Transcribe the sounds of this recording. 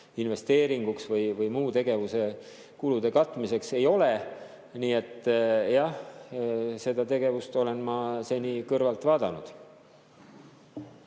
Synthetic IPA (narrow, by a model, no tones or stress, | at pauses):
inve̞st̪e̞ːɾiŋɡ̥uksvɤjvɯjmuːt̪e̞ɡ̥e̞vuse̞ | kulud̪̥e̞kɑt̪ːˑmise̞kse̞jo̞le | niːe̞t̪ːˑjɑh | se̞d̪ɑt̪e̞ɡe̞vust̪o̞le̞nmɑse̞nʲikɤrvɑlt̪vɑːd̪̥ɑnud̪̥